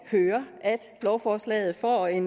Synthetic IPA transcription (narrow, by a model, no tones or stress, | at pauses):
høːɐʔæd̥b̥lɒʊfɒːslɛ̰ːð̩ˠfɒ̰ːe̝n